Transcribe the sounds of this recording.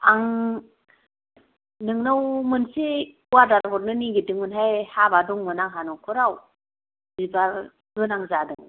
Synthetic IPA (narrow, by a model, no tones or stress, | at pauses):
aŋ | nɯŋnawmɯnsi | uwaɾdaɾbɔɾnɯniɡidɯŋɯnɦajhabaduŋmɯnaŋɦanɔkʰɔɾaw | bibaɾ | ɡɯnaŋzadɯŋ